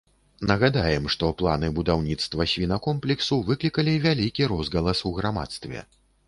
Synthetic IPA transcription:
nɐɣad̪ajɛmʂt̪ɔplˠa̰nɨbud̪awnʲit̪st̪vɐsʲvʲinɐkɔmplʲɛksuvɨklʲikɐlʲivʲalʲikʲiɾɔzɣɐlˠɐsuɣɾama̰t̪st̪vʲɛ̰

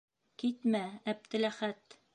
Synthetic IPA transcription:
kit̪mææb̚t̪ɘ̆læχæt̪

